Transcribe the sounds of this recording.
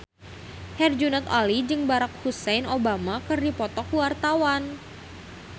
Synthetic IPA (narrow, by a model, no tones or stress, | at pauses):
hɛrd͡ʒunɛt̪alid͡ʒɨŋbaɾak̚husɛjnobamakɨrdipɔt̪ɔkwart̪awan